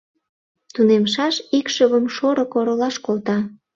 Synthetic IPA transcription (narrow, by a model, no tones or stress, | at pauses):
t̪unemʃɑʃikʃəβəmʃoɾokoɾəlɑʃkolt̪ɑ